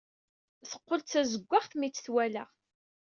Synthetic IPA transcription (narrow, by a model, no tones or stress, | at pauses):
θə̥qːəlt͡sːæzəɡʷːaʁθmit͡sːθwælæ̰ʁ